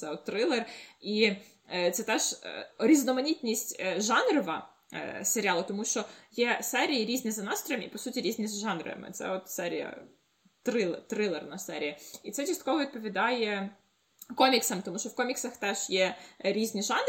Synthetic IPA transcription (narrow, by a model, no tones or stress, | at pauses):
sɛɔt̪ːɾɪlˠeri | t̪sɛt̪ɛʒ̥̰ɾʲiznɔmɐnʲitʲnʲisʲtʲʒɑnrɔʋɐ̰ | seɾʲɑlˠɐt̪ɔmuʃt͡ʃɔjɛsɛɾʲijiɾʲizʲnʲizɐnɑst̪ɾɔjmipɔsutʲiɾʲizʲnʲizʒɑnɾɐ̰ɐ̰mɪ̰t̪sɛ̰ɔt̪sɛɾʲḭjɐ̰ | t̪ɾɪt̪ɾɪlˠernɐsɛɾʲijiit̪sɛt͡ʃɐst̪̚kɔʋɔʋʲid̪̚pɔʋʲid̪ɑjɛ | kɔmʲiksɐmt̪ɔmuʃt͡ʃɔwkɔmʲiksɐxt̪ɛʒ̥jɛɾʲizʲnʲiʒɑn